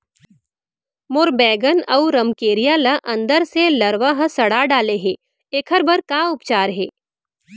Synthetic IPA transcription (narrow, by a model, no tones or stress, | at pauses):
mʊɾbɛːɡənɐuɾɐmkeːɾijaləʔɐ̃nd̪əɾselɐɾʋəɦsɐɽaɖaːleɦɛː | eːkʰəɾbəɾkaʊpt͡ʃaːɾɦɛː